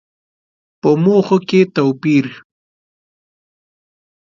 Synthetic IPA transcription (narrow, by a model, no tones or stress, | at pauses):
pəmoxoket̪awpiɾ